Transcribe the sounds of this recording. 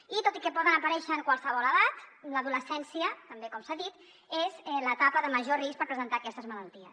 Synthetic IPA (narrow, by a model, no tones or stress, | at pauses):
it̪ot̪ikəpɔðənəpəɾɛʃəːŋkwəlˠsəβɔləðat̪ləðuləsɛnsiət̪əmbekɔmsaðit̪ | ezɛlət̪apəðəməʒorispəɾpɾəzənt̪aːkɛst̪əzmələlˠt̪iə̰s